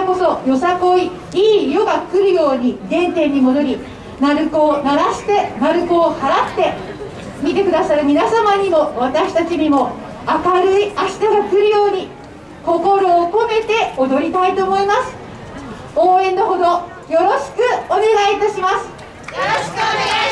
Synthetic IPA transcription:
ko̞so̞jo̞sako̞i | iːjo̞ɡakɯ̟ɾɯ̟jo̞ːɲ̟iɡ̪ẽ̞nt̪e̞ɲ̟ːimo̞d̪o̞ɾʲi | naɾɯ̟koːnaɾaɕi̥t̪e̞naɾɯ̟ko̞ːhaɾat̪ːe̞ | mʲit̪e̞kɯ̟d̪asaɾɯ̟mʲinasamaɲ̟imo̞β̞at̪aɕi̥t̪at͡ɕiɲ̟imo̞ | akaɾɯ̟iaɕi̥t̪aɡakɯ̟ɾɯ̟jo̞ːɲ̟i | ko̞ko̞ɾo̞ːko̞me̞t̪e̞od̪o̞ɾʲit̪ait̪o̞ːmo̞imasɨ̥ | oːẽ̞nːo̞ɦo̞d̪o̞ | jo̞ɾo̞ɕi̥kɯ̟o̞ne̞ɡait̪aɕimasɨ̥ | kne

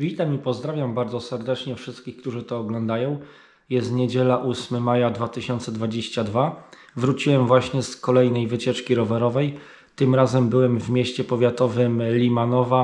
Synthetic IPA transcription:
vʲit̪amipɔzd̪ɾavʲjambaɾd̪zɔsɛɾd̪ɛt͡ʂɲɛfʂɘst̪̚kʲixkt̪uʐɘt̪ɔːɡlɔnd̪ajɔ̃w̃ | jɛst̪ɲed͡ʑɛlaʔusmɘmajad̪vat̪ɘɕɔnt̪sɛd̪vad͡ʑeɕt͡ɕad̪va | vɾut͡ɕiwɛmvwaɕɲɛskɔlɛjnɛjvɘt͡ɕɛt͡ʂkʲiɾɔvɛɾɔvɛj | t̪ɘmɾazɛmbɘwɛmvmʲeɕt͡ɕɛpɔvʲjat̪ɔvɘmlʲimanɔva

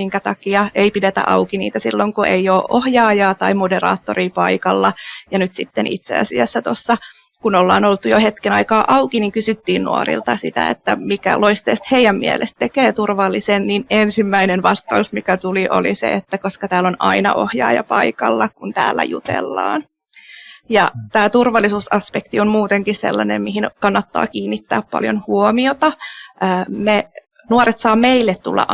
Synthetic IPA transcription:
iŋkæt̪ɑkiɑeipidet̪æ̰ʔɑukinḭːt̪æsilːoŋkueioːʔʔohjɑːjɑːt̪ɑimoderɑ̰ːt̪ːoriːpɑikɑlːɑjɑnyt̪sit̪ːenʔḭt̪sḛɑ̰siæsːæt̪osːɑ | kunolːɑ̰ːnolt̪ujohet̪kenɑikɑːʔɑukiniŋkysyt̪ːiːnnṵo̰rḭlt̪ɑsit̪æ̰ḛt̪ːæmikæ̰loist̪ḛːst̪heijæmːiḛlʔest̪̚t̪ekeːt̪urʋɑlːisenninensimːæinenʋɑst̪ɑusmikæt̪uliʔo̰lisḛet̪ːækoskɑt̪æːlonɑinɑ̰ʔohjɑ̰ːjɑ̰pɑikɑlːɑkunt̪æ̰ːlːæ̰jṵt̪ḛlːɑ̰ːn | jɑt̪æːt̪urʋɑlːisuːsɑspekt̪iommuːt̪eŋkissḛlːɑnḛmmiɦinkɑnːɑt̪ːɑ̰ːkiːnːit̪ːæːppɑ̰ljonhuomiot̪ɑəme | nuoɾet̪sɑːmeilːet̪t̪ṵlːɑ̰ʔ

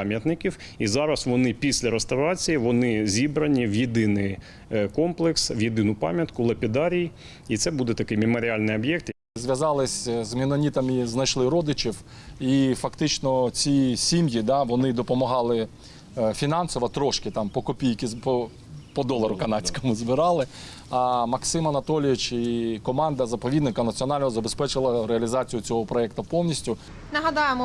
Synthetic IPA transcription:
mʲjɐt̪nɪkʲiwizɑɾɐsʋɔnɪpʲisʲlʲɐɾest̪ɐʋɾɑt͡sʲijiʋɔnɪzʲibɾɐnʲiʋjɪd̪ɪnɪj | kɔmplˠɪkswjɪd̪ɪnʊpɑ̰mʲjɐt̪kʊlˠɐpʲɪd̪ɑɾʲij | it̪sɛbud̪ɛt̪ɐkɪjmɪmɔɾʲɪɑlʲnɪjɐbjɛk̚t̪ | zʲʋʲjɐzɑlˠɪsʲzmɪnɔnʲit̪ɐmiznɐjʃlˠɪɾɔd̪ɪt͡ʃɪw | ifɐkt̪ɪt͡ʃnɔt͡sʲisʲimjid̪ɑʋɔnɪd̪ɔpɔmɐɦɑlˠɪ | fʲinɑnsɔʋɐt̪ɾɔʃkɪt̪ɑmpɔkɔpʲijkɪpɔ | pɔd̪ɔlˠɐɾʊkɐnɑt͡sʲkɔmʊzbɪɾɑlˠɪ | ɐmɐksɪmɐnɐt̪ɔlʲʋʲit͡ʃikɔmɑnd̪ɐzɐpɔʋʲid̪nɪkɐnɐt͡sʲiɔnɑlʲnɔɦɔzɐbespɛt͡ʃɪlˠɐɾeɐlʲizɑt͡sʲijʊt͡sʲɔɦɔpɾɔɛk̚t̪ɐpɔwnʲisʲtʲʊ | nɐɦɐd̪ɑjemɔ

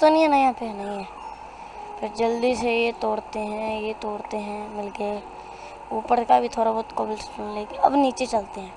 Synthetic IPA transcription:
t̪oniãnɐjãpeɦnəɦĩɦɛ̃ː | pʰɪɾd͡ʒɐld̪isejet̪oːɾt̪eɦɛ̃jet̪oːɾt̪eɦɛ̃mɪlɡə | uːpəɾkabʱit̪ʰoːɾabɔːt̪koːbɪlsuːnleːɡeɐ̰bniːt͡ʃet͡ʃɐlt̪eɦɛ̃ː

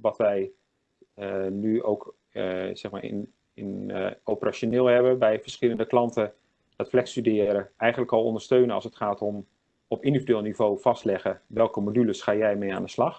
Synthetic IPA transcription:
ʋɑtʋɛj | nyowk | z̥ɛχmaːɪ̰n | ɪnowpəraʃonɪːlˠɦɛbəbɛjvəɹsχɪləndəklɑntə | d̥ɑtflɛkstydɪːɾəɛjχəntləkɑlˠɔ̰ndəɹstøɥnəɑ̰lˠsətχaːtɔm | ɔpɪndividʋɪːlˠnivowvɑstlɛχəʋɛlˠkəmodyləsχaːjɛjmeja̰ːndəslɑχ

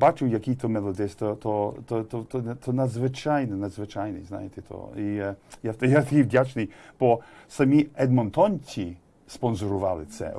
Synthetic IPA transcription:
bat͡ʃʊwjɐkijt̪ʰɔmɛlˠɔd̪ɪst̪ɔt̪ʰɔt̪ɔt̪ɔt̪ɔt̪ʰɔnɐd̪zʋɪt͡ʃajnɛnɐd̪zʋɪt͡ʃajnɪ̰jzna̰jet̪ɛt̪ʰɔ̰ijat̪jat̪ɐkʲijʋdʲat͡ʃnɪjb̥ɔ | sɐmʲiɛd̪mɔnt̪ɔnʲtʲi | spɔnzɔɾʊʋɑlˠɪt̪sɛ̰

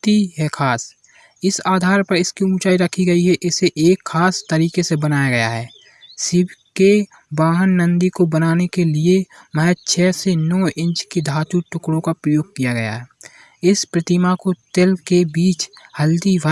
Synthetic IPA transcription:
t̪iɦɛkʰaːs | ɪsaːd̪ʱaːɾpɐɾɪskiũːt͡ʃaːiɾəkʰiɡɐiɦɛʔɪseʔeːkxʰaːst̪əɾiːkesebənaːjaɡɐjaɦɛː | sɪbʱke | baːɦənːə̃nd̪ikobənaːnekeliemɛɦɛt͡ʃʰɛːsenɔːʔɪ̃nt͡ʃked̪ʱaːt̪uʈʊkɽõkapɾəjoːɡ̚kijaɡɐja̰ɦɛː | ɪspɾət̪ɪmakot̪elkebiːt͡ʃhəld̪iʋ

